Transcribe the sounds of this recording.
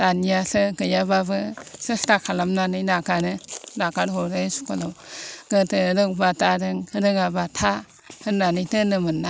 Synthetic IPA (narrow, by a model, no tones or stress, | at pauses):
tanijasɯɡɯjababɯsɯstakʰalamnanɯjnakanɯnakaɾɦoɾɯsu̥kʰalawɡ̥ɯtɯɾɯkbatʰadɯŋɯɾɯŋabatʰa | hɯnnanɯjtɯnɯmɯnːa